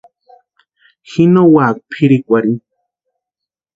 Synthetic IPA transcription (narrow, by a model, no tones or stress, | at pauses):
xinowaːk̚pʰiɾikʷaɾi